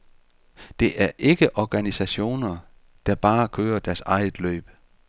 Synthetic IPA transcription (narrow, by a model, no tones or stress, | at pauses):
d̥e̝ʔæɐʔe̝ɡ̥əʔɒɡ̥ænisæɕo̝̰ːnɐ | d̥ɑ̈b̥ɑ̈ːkʰøːɐd̥æɐsɑ̈ɪð̩ˠlø̰ːb̥